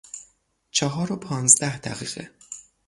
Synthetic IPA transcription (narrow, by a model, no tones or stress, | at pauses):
t͡ʃʰɒɦɒːɾopʰɒːnzd̪æhd̪æɣiːɣ̥ḛ